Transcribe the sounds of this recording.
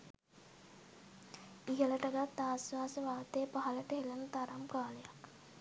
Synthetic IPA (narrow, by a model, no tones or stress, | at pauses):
iɦəlɐʈɐɡat̪ːaːsʋaːsəʋaːɦt̪ejːpaɦɐləʈɐɦelɐnut̪aɾamkaːlejak